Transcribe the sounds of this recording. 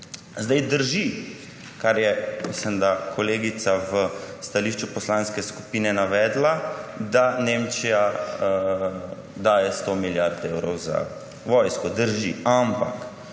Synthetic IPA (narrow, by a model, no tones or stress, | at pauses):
zd̪ajd̪əɾʒi | kaɾjɛmislɛmd̪akʰɔleːɡit̪saʋəst̪aliːʃt͡ʃupɔslanskɛskupiːnɛnaʋɛːd̪lad̪anemt͡ʃijaə | d̪aːjɛst̪omiljaɾt̪ewɾɔwza̰ | ʋɔjskɔd̪əɾʒiampa̰k